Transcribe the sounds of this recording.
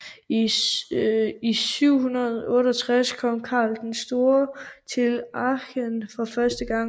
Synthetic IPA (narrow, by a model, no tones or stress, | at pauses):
isyʊ̰hunɐðˠɔ̽ːɾɐɒt͡sʰʁaskʰɒ̽m̰kʰɑ̰̈ːld̥ensd̥o̝ːɐt͡sʰe̝lɑɕənfɒ̽fɶɐsd̥əɡ̥ɑ̈ŋ̰